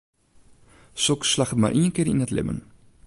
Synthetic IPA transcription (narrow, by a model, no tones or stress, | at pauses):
sɔkslɐχətma̰ːɾʔiənkiəɾḭnətlɛ̰mə̰n